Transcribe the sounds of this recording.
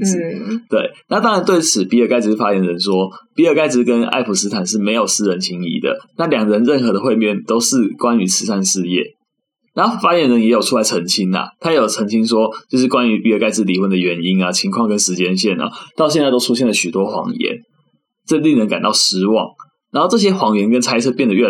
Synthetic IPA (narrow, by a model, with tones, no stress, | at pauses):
t̪we˥˩ɪna˥˩t̪ɑ˦ŋɻa˧˦nt̪we˥˩ɪt͡sʰɹ̩˨˩˦pi˧˥ə˥˩ka˥ɪt͡s̩˧˥˩fa˦jɛ˧˥nɻə˧˦nʂwɔ˥pi˧˥ə˥˩ka˥˧ɪt͡s̩˧˥kə˦na̰˥˩ɪpʰu˨˩sɹ̩˥t̪ʰa˨˩nʂɻ̩˥˩me˧˥ɪjo˨˩ʊsɹ̩˥ɻə˧˦nt͡ɕʰi˧˥ŋḭ˧˥˦d̪ə̰˨˦na˥˩ljɑ˨˩ŋɻə˧˦nɻə˥˩nxɤ˧˥d̪ə˧xwe˥˧ɪmjɛ˥˨nt̪o˥ʊʂɻ̩˥˩kwa˦ny˧˥t͡s̩ʰ˧˥sa˥˧nʂɻ̩˥˧jɛ̰˥˩ | na˨˦no˥˩fa˥jɛ˧˥nɻə˧˦njɛ˧˦˥jo˨˩ʊʈ͡ʂʰu˥la˧˥ɪə˧˥ŋt͡ɕʰi˦˥nɐ̰˨t̪ʰa˥jɛ˨˧˥jo˨˩t͡sʰə˧˥ŋt͡ɕʰi˥nʂwɔ˥t͡ɕjo˥˧ʊʂ̬̩˥˩kwa˦ny˧˥pi˨˥ə˧˩ka˥˧ɪt͡sɻ̩˧˩li˨˩wə˧˩nd̪ə˨ɥɛ˧˥ni˦˥na˨t͡ɕʰi˧˥ŋkʰwɑ˥˧ŋkə˦nʂɻ̩˧˥t͡ɕjɛ˥nɕjɛ˥˩na̰˨t̪ɑ˥˧ʊɕjɛ˥˧nt͡sa˥˧ɪt̪ʊʈ͡ʂʰu˥ɕjɛ˥˩nlə˩ɕy˨˩t̪wɔ˦xwɑ̰˧˥ŋjɛ̰˧˦n | ʈ͡ʂə˥˧li˥˩ŋnə˧˦nŋka̰˨˩nt̪ɑ˥˩ʊʂɻ̩˧˥wɑ̰˨˩ŋ | na˨˧nxo˥˧ʊʈ͡ʂɤ˥˩ɕ̬jɛ˥xwɑ˧˨˥ŋɥɛ˧˥nkə˦nt͡sʰa˥ɪt͡sʰɤ˥˧pjɛ˥˩nd̪ə˨˩ɥɛ˥˩